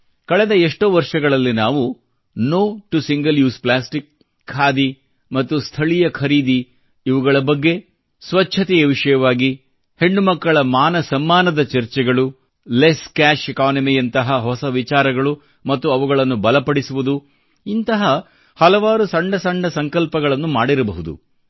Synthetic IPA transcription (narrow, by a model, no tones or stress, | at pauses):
kɐɭɛd̪ɐeʂʈoːʋɐɾʂɐɡɐɭɐlːinaːʋu | noːʈusiŋɡɐljuːsplaːsʈikʰː | aːd̪i | mɐt̪ːust̪ʰɐɭijɐkʰɐɾiːd̪iː | ʋuɡɐɭɐbɐɡːe̞ | sʋɐt͡ʃːʃʰɐt̪ɛjɐʋiʂɐjɐʋaːɡi | he̞ɳːumɐkːɐɭɐmaːnɐsɐmːaːnɐd̪ɐt͡ʃɐɾt͡ʃɛɡɐɭu | leskaːʃɛkaːnɐmijɐnt̪ɐɦɐɦɔsɐʋit͡ʃaːɾɐɡɐɭu | mɐt̪ːuɐʋuɡɐɭɐnːubɐlɐpɐɽisuʋud̪u | int̪ɐɦɐ | hɐlɐʋaːɾusɐɳɖɐsɐɳɖɐsɐŋkɐlpɐɡɐɭɐnːumaːɽiɾɐbɐɦud̪ṵ